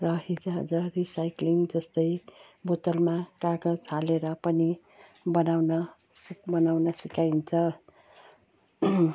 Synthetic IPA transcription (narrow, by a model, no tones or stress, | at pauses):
rʌɦid͡zaɦʌ̰d͡zʌrisajkliŋd͡zʌst̪ʌj | bot̪ʌlmakaɡʌd͡zaleɾʌpʌni | bʌnawnʌ | sikbʌnawnʌsikajnt͡sʰʌ